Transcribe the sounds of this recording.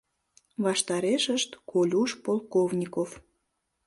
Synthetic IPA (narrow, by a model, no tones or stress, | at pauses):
βɑʃt̪ɑɾeʃəʃt̪kolʲuʃpolˠkovnʲikof